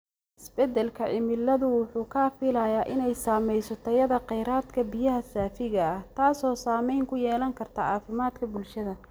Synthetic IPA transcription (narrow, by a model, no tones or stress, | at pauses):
ʔɪsbɛd̪ɛlkʰɐʕɪmɪlːɐðʊwʊħuːkʰɐfɪlɐjaːʔɪnɛjsaːmɛjsɔt̪ʰɔjɐðɐqɛjɾaːd̪kʰɐbɪjɐɦɐsaːfɪɣɐɐht̪ʰaːsɔːsaːmɛjŋkʰʊjɛːlɐŋkʰɐrt̪ʰɐaːfɪmaːd̪kʰɐbʊlʃɐðɐ